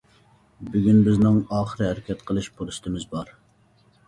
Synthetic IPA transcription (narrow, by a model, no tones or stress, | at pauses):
byɡʲynbɪznɪŋɑːχəɾɨhæɾɪkʲɛt̪qʰəlˠɨʃbolˠɨst̪ʰɨmɪzbɑɾ